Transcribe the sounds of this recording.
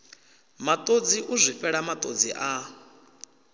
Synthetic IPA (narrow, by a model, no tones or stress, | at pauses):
mat̪ʼod͡ziʔuzʷifɛɺamat̪ʼod͡ziʔa